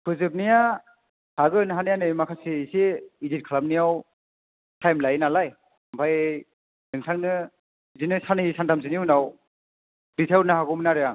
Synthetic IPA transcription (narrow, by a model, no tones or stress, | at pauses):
kʰɯzɯp̬̚nija | haɡɯnɦanijanɯjmakʰasiiseizit̚kʰalap̚nijaw | tʰajmlajnalaj | ampʰaj | dɯŋtʰaŋnɯ | izinɯsanisantʰamziniunaw | ɾitʰawnaɦaɡɯmnaɾɯa